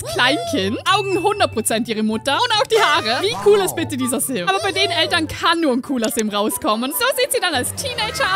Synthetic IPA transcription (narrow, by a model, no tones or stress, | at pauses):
skl̥aɪnkʰɪntʔaʊɡŋ̩ɦʊndɐt̚pʁ̥ot͡sɛntʔiːʁ̞əmʊtɐʊntaʊxd̥iːhaːʁəviːkʰuːlɪst̚b̥ɪtədiːzɐzɪlmaːbɐbaɪdeːʁənɛltɐnkʰanːuːɐnkʰuːlɐsɪmʁaʊskʰɔmənz̥oːziːtz̥iːdanalstʰiːneɪd͡ʒɐ